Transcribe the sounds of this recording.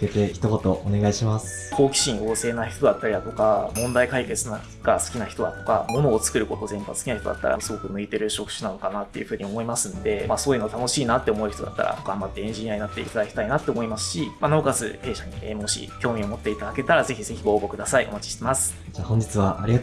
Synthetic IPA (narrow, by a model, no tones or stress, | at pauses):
ket̪eçi̥t̪o̞ko̞t̪o̞ʔone̞ɡaiɕimasɨ̥kʰo̞ːkʲi̥ɕĩɰo̞ːse̞ːnaçi̥t̪o̞d̪at̪ːaɾʲid̪at̪o̞kamõ̞nd̪aikaike̞t͡sɨna | ɡasɨ̥kʲinaçi̥t̪o̞d̪a̰t̪o̞̥ka̰mo̞no̞ːt͡sɨ̥kɯ̟ɾɯ̟ko̞t̪o̞zẽ̞mpasɨ̥kinaçit̪o̞d̪a̰t̪ːa̰ɾa̰sɨɡo̞kɯ̟nɯ̟it̪e̞ɾɯ̟ɕo̞kɯ̟̥ɕɨnano̞kanat̪ːe̞jɯ̟ɸɯ̟ːɲ̟io̞mo̞imasɨ̃nd̪e̞maso̞ːjɯ̟not̪ano̞ɕiːnat̪ːe̞omo̞̟çi̥t̪oa̰t̪ːa̰ɾʔa̰okamːat̪ːeẽɲʑĩjaɲ̟inat̪ːe̞ḭt̪ad̪akʲi̥t̪ainat̪ːeomoimasɨ̥ɕimanaokasɨ̰he̞ːɕaɲ̟ḭemo̞ɕḭkʲo̞ːmʲio̞mo̞t̪ːe̞it̪ad̪ake̞t̪aɾaze̞çize̞çʲiɡo̞ːbo̞kɯd̪asaiʔo̞̰mat͡ɕi̥ɕt̪e̞masɨ̥ | d͡ʑaːhõ̞ɲ̟d͡ʑit͡sɨβaʔaɾʲia